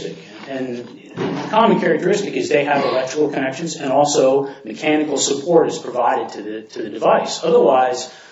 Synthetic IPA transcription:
tɨk | ɨ̃n | kʰɑmɨ̃n̩kʰɛɹɨk̚tə˞ɪstɨkɨzðeɪɨvəlɛk̚tɹ̥əkl̩ˠkʰɨnɛkʃɨ̃nzɨ̃nɔlˠsoʊmɨkʰænɨkl̩ˠsɨpʰɔɹɾɨz̥pʰɹ̥ɨvaɪɾɨd̚tʰɨðɨtʰɨðɨdɨvaɪsʌðə˞waɪz̥

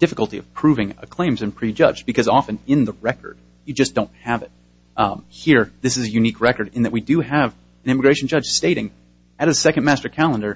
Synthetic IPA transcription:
d̥ɪfəkl̩ˠtiʌv̥pʰɹ̥ʉvɪ̃ŋə̰kʰl̥ẽɪ̃mzɨ̃npʰɹ̥id͡ʒʌ̰d͡ʒbɨkʰʌzɑfɨ̃nɪ̃nðəɹɛkə̰˞d̥̚ | jɨd͡ʒʌsd̥õʊ̃nt̚hɨvɨt̚ | hiɹðɪsɨzɨjʉnikʰɹɛkə˞ɾɨ̃nðɨʔ̚widɨɨv | ɨ̃nɪ̃mɨɡɹeɪʃn̩d͡ʒʌd̥ʒ̥steɪɾɪ̰̃ŋ | ɨɾɨsɛkɨ̃n̩mæstə˞kʰælˠə̃ndə˞

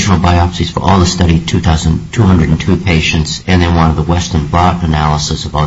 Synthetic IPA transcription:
ʃnl̩ˠbaɪɑpsiz̥fə̰˞ʔɔlˠðəstʌɾitʰʉθaʊzə̃ntʰuhʌ̃ndɹɨɾn̩tʰʉpʰeɪʃɨ̃ntsɨ̃nðɨ̃nwʌ̃nʌvðəwɛstə̃˞nbɹɑɾɨnælˠəsəsʌvɔ

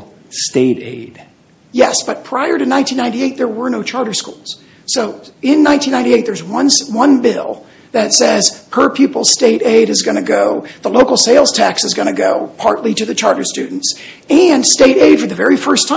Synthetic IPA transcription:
steɪɾḛɪd̥ | jɛsb̥ʌt̚pʰɹ̥aɪə˞ɾɨnãɪ̃ntʰĩnːãɪ̃nieɪt̪̚ðə˞wə˞noʊt͡ʃʰɑɹɾə˞skulˠz̥ | soʊɪ̃nːãɪ̃ntĩnːãɪ̃ntieɪt̪̚ðə˞zwʌ̃nswʌ̃nbɪ̰lˠ | ðɨtsɛz̥pʰə˞pʰjʉpl̩ˠz̥steɪɾeɪɾɨzɡʌnɨɡoʊðəloʊkl̩ˠseɪlˠz̥tʰæksɨzɡʌñɨɡoʊpʰɑɹtˡlitɨðɨt͡ʃʰɑɹɾə˞stʉdⁿn̩ts | ɨ̃nsteɪɾeɪd̥fə˞ðɨvɛɹifɜ˞stʰã

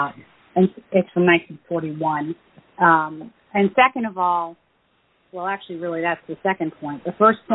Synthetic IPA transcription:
ʊɾ | ɨ̃nsɨtsfɹʌ̃mnãɪ̃ntʰĩnfɔɹɾiwʌ̃n | ʌ̃m | ɨ̃nsɛkɨ̃ndʌvɔlˠ | wɛlˠæk̚t͡ʃʉl̩ˠiɹɪlˠiðætsðɨsɛkɨ̃npʰɔ̃ɪ̃nðəfɜ˞spʰ

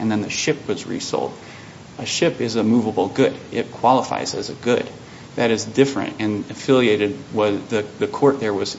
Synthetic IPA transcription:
ʔɨ̃nðɨ̃nðɨʃɪp̚wʌzɹḭso̰ʊlˠd | ɨʃɪpɨzəmuvəbl̩ˠɡʊɾɪt̚kʰw̥ɑlˠəfa̰ɪzɨzɨɡʊd̚ | ðɨɾɨzdɪfɹɨ̰̃ntɨ̃nɨfɪlˠieɪɾɨd̚wʌðɨðɨkʰɔɹt̪̚ðə˞wʌz̥

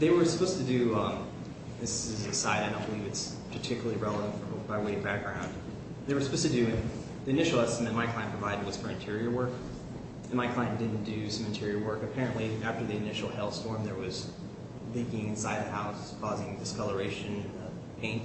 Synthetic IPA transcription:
ðeɪwə˞sə̥pʰoʊz̥stɨdɨ̃m | ðɪsɪzɨsaɪɾaɪɾõb̥əlivɨts | pʰə˞tʰɪkjl̩lˠiɹɛlˠəvɨ̃ntfə˞baɪweɪbæk̚ɡ̥ɹãʊ̃nd | ðeɪwə˞sə̥pʰoʊstʰɨdɨ̃ | ðiɨnɪʃl̩ˠɛstəmɨ̃t̚maɪkʰl̥aɪɨ̃npɹ̥əvaɪɾɨd̚wʌz̥fə˞ɨ̃ntʰɪɹiə˞wɜ˞k | n̩maɪkʰl̥ãɪɨ̃nd̥ɪdⁿn̩d̥ɨsʌ̃m̃ntʰɪɹiə˞wɜ˞kɨpʰɛɹɨ̃nʔliæftə˞ðiɨnɪʃl̩ˠhɛlˠstɔɹmðə˞wʌz | likɪ̃ŋɨ̃nsaɪd̪̚ðɨhaʊskʰɔzɪ̃ŋdɨskʌlˠə˞eɪʃɨ̃nɨ̃nðə | pʰẽɪ̃nt

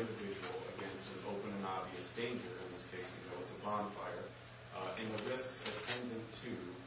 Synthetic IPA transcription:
ɪ̃ndɨvɪd͡ʒɨwl̩ˠə̰ɡɛ̃nst̪̚ðɨ̃no̰ʊpɨ̃nɨ̃nɑbviɨsd̥ẽɪ̃nd͡ʒə˞ɨ̃nðɪskʰeɪswiveɪlˠzɨbɑ̃nfaɪə˞ | ɨ̃nðɨɹɪsksɨtʰɛ̃ndɨ̃ntʰʉ

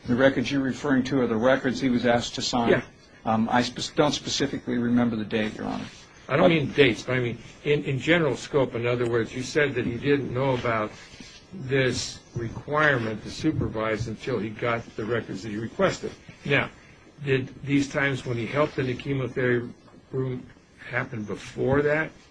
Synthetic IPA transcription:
ðɨɹɛkə˞dzjə˞ɹɨfɜ˞ɪ̃ŋtʰɨʌðə˞ɹɛkə˞dz̥hiwʌzæstʰɨsãɪjæ̃n | a̰ɪspɨd̥õʊ̃ntspɨsɪfɨkliɹɨmɛ̃mbə˞ðɨdeɪʔə̰˞ɑ̰̃nɨ̰s | aɪɾõʊ̃nmĩndeɪtsb̥ʌɾaɪmĩnɪ̃nɨ̃nd͡ʒɛnə˞l̩ˠskoʊpɨ̃nʌðə˞wɜ˞dzjɨsɛd̪̚ðɨt̚hidɪdⁿn̩noʊəbaʊt̪̚ | ðɪsɹɨkʰw̥aɪɹmɨ̃ntʰɨsʉpə˞vaɪzɨ̃ntʰɪlˠiɡɑt̪̚ðɨɹɛkə˞dzðɨt̚hiɹɨkʰw̥ɛstɨ̰d̚naʊ | dɪd̪̚ðiz̥tʰãɪ̃mzwə̃nihɛlˠp̚t̪ɨ̃nɨkʰiməθɛɹi | ɹũm | hæpɨ̃nbəfɔɹðæt̚

